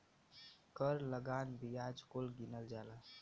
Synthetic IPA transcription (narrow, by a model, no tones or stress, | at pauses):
kəɾləɡaːnbijaːd͡ʒkolɡinəld͡ʒaːlaː